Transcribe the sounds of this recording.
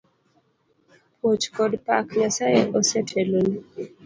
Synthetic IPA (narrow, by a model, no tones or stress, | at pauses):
pʰot͡ʃkɔdpakɲasajeʔɔsɛtʰeloni